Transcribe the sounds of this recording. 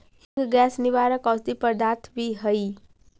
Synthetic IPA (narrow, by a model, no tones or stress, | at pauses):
hĩŋɡɡɛsniʋaɾəkɔsd̪ipəɾd̪at̪ʰbiɦəj